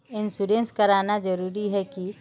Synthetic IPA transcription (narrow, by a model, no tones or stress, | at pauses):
ɪnsuːɖẽnskɐɾaːnad͡ʒɐɾuːɾiɦɛki